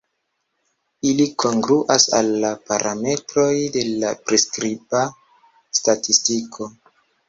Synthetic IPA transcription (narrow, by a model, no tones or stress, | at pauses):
ilikʰo̞ŋɡɾuʔasa̰lːapaɾʔame̞tɾo̞jde̞lapɾeskɾiba | statistikʰo̞